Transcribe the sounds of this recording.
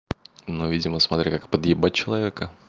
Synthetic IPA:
nuvʲidʲɪməsmɐt̪ɾʲikakpəd̪jɪbat͡ɕɪlˠɐvʲekə

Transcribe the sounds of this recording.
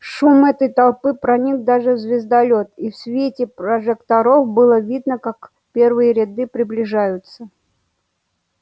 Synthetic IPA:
ʂumɛt̪əjt̪ɐlˠpɨpɾɐnʲikd̪aʐɨvzʲvʲɪzd̪ɐlʲot̪ifsʲvʲetʲɪpɾəʐɨkt̪ɐɾo̞fbɨlˠəvʲid̪nəkak | pʲe̞rvɨjəɾʲɪd̪ɨpɾʲɪblʲɪʐajʊt̪sə

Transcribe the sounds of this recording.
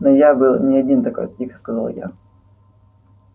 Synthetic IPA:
nojabɨlˠnʲɪɐdʲint̪ɐkojt̪tʲixə̥skɐzalˠja̰

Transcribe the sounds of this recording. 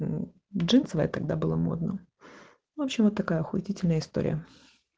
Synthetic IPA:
ʐɨnsəvəjə̰t̪ɐɡd̪abɨlˠəmo̞̰d̪nə | vopɕːɪmvot̪ːɐkajəɐxʊɪtʲitʲɪlʲnəjəɪst̪o̞̰ɾʲɪ̰jə

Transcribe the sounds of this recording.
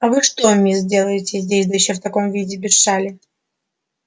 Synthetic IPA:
ɐvɨʂt̪omʲizʲdʲe̞lˠəjɪtʲɪzʲdʲesʲd̪ɐjɪɕːoft̪ɐko̞mvʲidʲɪbʲɪʂalʲɪ

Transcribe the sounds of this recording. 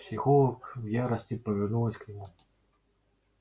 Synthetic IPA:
psʲixɔlˠɐkwjaɾɐsʲtʲipɐvʲɛrnulˠɐsʲknʲɪmu

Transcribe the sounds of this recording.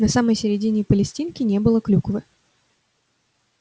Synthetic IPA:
nɐsaməjsʲɪɾʲɪdʲinʲɪpəlʲɪsʲtʲinkʲɪnʲe̞bɨlˠəklʲukvɨ

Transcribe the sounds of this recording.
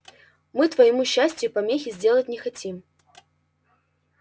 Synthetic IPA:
mɨt̪vɐjɪmuɕːæsʲtʲjʊpɐmʲexʲɪzʲdʲe̞lˠət̚ʲnʲɪxɐtʲim

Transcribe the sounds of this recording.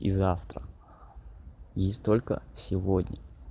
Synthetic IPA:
ḭzaft̪ɾə̰ | jesʲtʲt̪o̞lʲkə̰sʲɪvodʲnʲə

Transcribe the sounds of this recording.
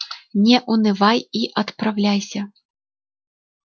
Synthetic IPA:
nʲɛʔunɨvajiʔɐt̪pɾawlʲajsʲɐ

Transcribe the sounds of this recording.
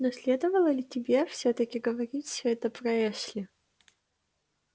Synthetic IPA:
nɔsʲlʲed̪əvəlˠəlʲɪtʲɪbʲefsʲɵt̪əkʲɪɡəvɐɾʲitʲsʲɵɛt̪əpɾɐɛʂlʲɪ

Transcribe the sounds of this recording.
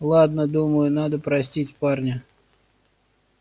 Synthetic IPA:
lˠad̪nəd̪uməjʊnad̪əpɾɐsʲtʲitʲparnʲə

